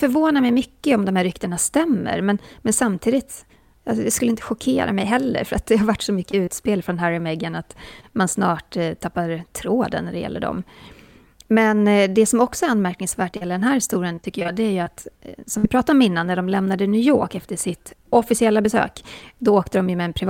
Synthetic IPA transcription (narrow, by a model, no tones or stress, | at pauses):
fœɾvoːnamɛjmʏkːəɔmd̪ɔmhæɾʏkt̪əɳast̪ɛmːə̰ɾmɛnmɛnsamt̪ʰiːd̪ɪt̪ | asɔd̪ɛskɵlːəɪnt̪ə̥ɧʊkʰeːɾa̰mɛjɦɛlːə̰ɾfœɾat̪̚d̪ɛhaɾvaʈːsɔmʏkːəʉːt̪speːlfɾɔnɦæɾɪmɛɡanat̪mansnɑːʈt̪ʰapːaɾt̪ʰɾoːd̪ə̰nːæɖɛjɛ̰lːə̰ɖɔ̰m | mɛnd̪ɛsɔmɔksɔɛɾanmæɾknɪŋsvæːʈ̚d̪ɛjɛləd̪ɛnɦæːɾhɪst̪uːɾɪənt̪ʰʏkːəjɑːd̪ɛæɾjɵat̪sɔmvɪpʰɾɑːt̪aɾɔmɪnːanːæɖɔmlɛmnad̪ənʉːjo̰ːkɛft̪əʂɪt̪ɔfɪsɪɛlːabɛsø̰ːkd̪ɔoːkt̪əd̪ɔmjɵmɛːnpʰɾɪ